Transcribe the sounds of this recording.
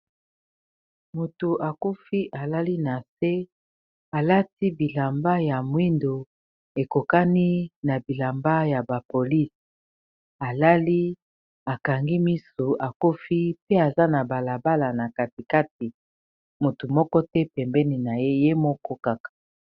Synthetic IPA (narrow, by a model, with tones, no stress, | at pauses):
mo˨tu˨ʔa˨ku˦fi˦ʔa˨la˦li˦na˨se˦ | a˨la˦ti˦bi˨la˨mba˦ja˨mwi˦ndo˨ | e˨ko˨ka˦ni˦na˨bi˨la˨mba˦ja˨ba˨po˨li˦s | a˨la˦li˦ | a˨ka˨ŋɡi˦mi˦so˨a˨ko˦fi˦pe˦a˨za˦na˨ba˨la˨ba˦la˨na˨ka˨ti˨ka˦t̚i˨ | mo˨tu˨mɔ˦kɔ˦tɛ˦pɛ˨mbɛ˦ni˨na˨je˦je˦mɔ˦kɔ˦ka˦kḁ˨